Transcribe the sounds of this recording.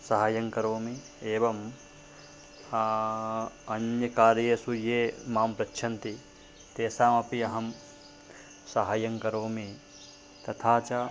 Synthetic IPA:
sɐɦaːjɐŋkɐɾoːmi | eːʋɐm | ɐnjɐkaːɾjesujeːmaːmpɾɐtːʃʰɐnt̪i | t̪eːsaːmɐpiɐɦɐm | sɐɦaːjɐŋkɐɾoːmi | t̪ɐt̪ʰaːt͡ʃa

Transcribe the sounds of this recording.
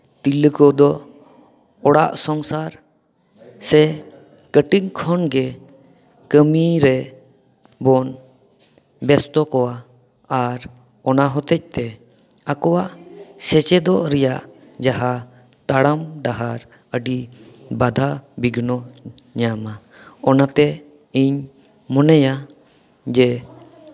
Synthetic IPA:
t̪iləkɔd̪ɔ | ɔɽa̰ʔsɔŋsaɾ | sɛ | kəʈiŋkʰɔnɡɛ | kəmiɾɛ | bɔn | bɛst̪ɔkɔwaː | ɾ | ɔnaɦɔt̪ɛc̚t̪ɛ | akɔwaʔsɛt͡ʃɛd̪ɔʔɾɛjaʔ | d͡ʒaɦa | t̪aɽamɖaɦaɾ | əɖibad̪ʱabiɡʱnɔ | ɲama | ɔnat̪ɛ | iɲ | mɔnaja | d͡ʒɛ

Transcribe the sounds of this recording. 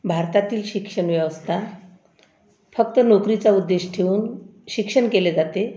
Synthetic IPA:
bʱaɾt̪at̪iːlɕikʂəɳʋjɛʋəst̪ʰa | fək̚t̪ənokɾit͡saud̪ːeɕʈʰeuːnɕikʂəɳkeled͡zat̪e

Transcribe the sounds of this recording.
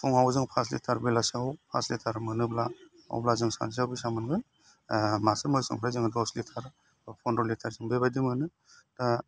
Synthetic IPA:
tʰuŋawzɯŋpʰaslḭtʰaɾbilasawpʰa̰slitʰaɾmɯnɯbla | a̰wblazɯŋsa̰nsawbisamɯnɡɯn | masɯmɯsɯ̰ŋpʰɾajzɯŋdɔslitʰaɾ | pʰɔndɔlitʰaɾzɯŋbeβajdimɯnɯ | ta

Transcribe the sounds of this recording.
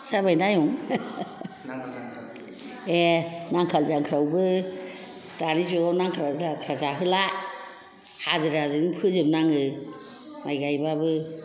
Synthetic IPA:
sabajdajɔŋ | enaŋkʰalzaŋkʰɾawbɯ | tanizuanaŋkʰɾazakʰɾazaɦɯla | hazɯɾazɯnpʰɯzɯmnaŋɯ | majɡajbabɯ

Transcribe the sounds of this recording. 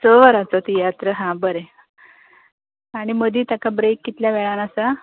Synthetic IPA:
səʋəɾat͡sɔt̪ijat̪ɾəɦãbəɾe | aɽ̃iməd̪iːt̪jakabɾekːit̪ljaʋɛɭanasa

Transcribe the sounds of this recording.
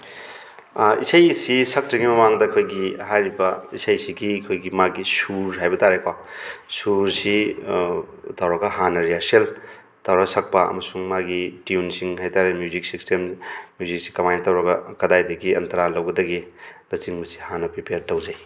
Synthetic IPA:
ḭsɐjsisɐk̚tɐɡimɐmaŋdɐːkʰojɡihajɾibɐisajsiɡikʰojɡimaɡisuɾɦajbɐtaɾekʰwasuɾsi | tawɾɐɡɐɦanɐɾijasel | tawɾɐsɐk̚pɐɐ̰mɐsuŋmaɡitiunsiŋɦajtaɾemjuzik̚sistʰemmjuzik̚si̥kɐmajntɐwɾɐɡɐkɐdajdɐɡiɐ̰ntɐɾalɐwɡɐdɐɡilɐsiŋbɐsi̥hanɐpɾipejɾtɐwzaj

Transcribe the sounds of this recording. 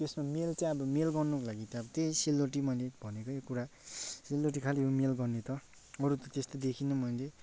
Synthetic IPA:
t̪esmamelt͡sãĩʌbʌmelɡʌrnʌkolaɡit̪ʌʌbʌt̪ejselːoʈimʌjlebʱʌnekojokuɾaselːoʈ̬ikʰaljomelɡʌrnet̪ʌ | ʌɾut̪ʌt̪est̪od̪ekʰinʌmʌjle

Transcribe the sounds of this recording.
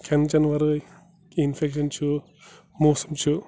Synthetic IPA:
kʰɛnt͡ʃɐnʋɐɾɯj | infʰekʃɐnt͡ʃʰu | mosɐmt͡ʃʰu

